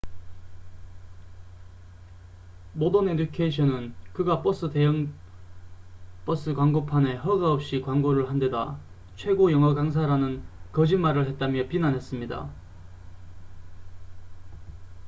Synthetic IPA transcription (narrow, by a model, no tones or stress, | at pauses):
modonedikʰeɕʰʌnɯnkɯɡap͈ʌs͈ɯdeŋ | p͈ʌs͈ɯkwaŋɡopʰane̞ɦʌɡaʌp̚ɕ͈ikwaŋɡoɾɯɭɦande̞da | t͡ɕʰwe̞ɡojʌŋɦʌɡaŋs̬ʰaɾanɯnkʌd͡ʑimaɾɯɭhe̞t̚t͈amjʌpinanɦes͈ɯmɲida̰